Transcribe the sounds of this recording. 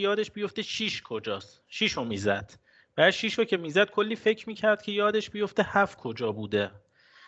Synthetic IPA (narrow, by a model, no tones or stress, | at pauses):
jɒːd̪eʃbijo̞ft̪eʃiːʃkʰod͡ʒɒːs | ʃiːʃomiːzæ̰d̪̥ | b̥æʃiːʃocʰe̞miːzæd̪̥̚kʰolːiːfe̞cʰɾmiːcʰæɾd̪̥̚cʰe̞jɒːd̪e̞ʃbijo̞ft̪ehæfkʰo̞d͡ʒɒːbuːd̪e